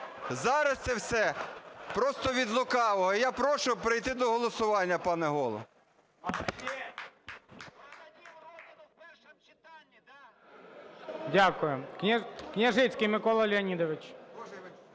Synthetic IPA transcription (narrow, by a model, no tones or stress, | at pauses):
zɑɾɐst̪ɛwsɛpɾɔst̪ɔʋʲid̪lˠʊkɑʋɔɦɔjɑpɾɔʃʊpɾɪjt̪ɪd̪ɔɦɔlˠɔsʊʋɑnʲːɐpɑnɛɦɔlˠɔ̰ | dʲakʊjʊknʲknʲɐʒɪt͡sʲkɪjmɪkɔlˠɐlʲɪɐnʲid̪ɔʋɪt͡ʃ